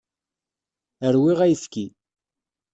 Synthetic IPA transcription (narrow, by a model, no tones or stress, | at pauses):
əɾwiʁæjθki